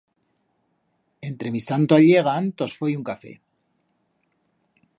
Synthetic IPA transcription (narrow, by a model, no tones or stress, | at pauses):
e̞nt̪ɾe̞mist̪ant̪oaʎe̞ɣ̞ant̪osfojuŋkafe̞̰